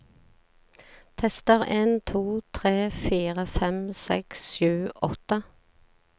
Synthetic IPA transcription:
t̪ʰɛst̪əʁeːnt̪ʰuːt̪ʰʁeːfiːʁəfɛmsɛksʃʉːʔɔt̪ə

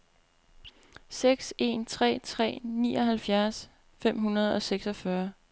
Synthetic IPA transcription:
seɡ̥se̝nt͡sʰʁɛ̰ːt͡sʰʁɛ̰ːnḭːɒɦælfjæɐs | fem̰ɦunɐð̞ˠɒ̽seɡ̥sɒfɶɐ

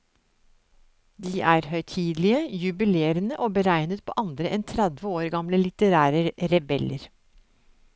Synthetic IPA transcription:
d̪iːʔæːɾhœʏt̪ʰiːd̪lɪəjʉbɪleːɾənəʔoːbəɾæɪnət̪̚pʰo̰ːʔɑnd̪ɾəʔɛnt̪ʰɾæd̪ʋəoːɾɡɑmləlɪt̪əɾæːɾəɾɛbɛləɾ

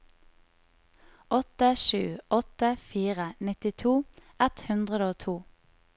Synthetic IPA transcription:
ɔt̪əʃʉːɔt̪əfiːʁənɪt̪ɪt̪ʰuː | ɛt̪hʉnd̪ʁəd̪oːt̪ʰuː

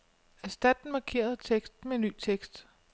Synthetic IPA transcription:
æsd̥æd̥n̩mɑ̈kʰe̝̰ːɐð̞̩ˠt͡sʰeɡ̥sd̥n̩menːy̰ːt͡sʰeɡ̥sd̥

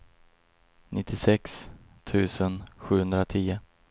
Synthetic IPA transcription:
nʔɪt̪ʰːɪsɛks | t̪ʰʉ̟ːsənɧʉ̟ːhɵnd̪ɾat̪ʰiːə

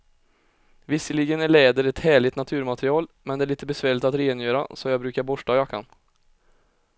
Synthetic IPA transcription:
vɪsːəlɪɡənæɭɛːd̪əɾɛt̪hæːɭɪt̪nat̪ʰʉ̟ːɾmat̪ɾɪɑːlmɛnd̪ɛæɭiːt̪əbɛsvæːɭɪt̪at̪ɾɛeːnjøːɾa̰sɔjɑːɡbɾʉ̟ːkaɾbɔʂajɑkʰa̰n

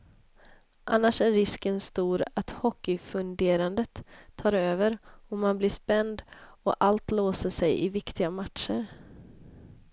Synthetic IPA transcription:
ʔa̰nːaʂæɾːɪskənst̪uːɾat̪hɔkːɪfɵnd̪eːɾand̪ət̪ʰːɑːɾøːvəɾɔmanblɪʂpɛnd̪ɔʔalt̪loːsəʂɛjɪvɪkt̪ɪɡamat̪ʂəɾ

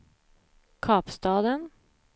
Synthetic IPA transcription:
kʰɑːpst̪ɑːd̪ən

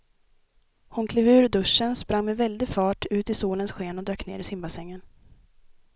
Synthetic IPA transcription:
hʊnkʰleːvʉ̟ːɾd̪ɵʂːənspɾaŋmɛvɛld̪ɪfɑːʈʰʉ̟ːt̪ɪsuːlənsɧeːnɔd̪øːknḛːɾɪsɪmbasɛŋːən

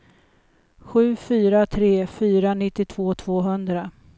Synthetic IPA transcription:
ɧʉ̟ːfyːɾat̪ʰɾeːfyːɾanɪt̪ːɪt̪ʰv̥oːt̪ʰv̥oːɦɵnd̪ɾa

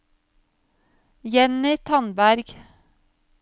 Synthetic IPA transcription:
jɛnɪt̪ʰɑnbæɾɡ̥

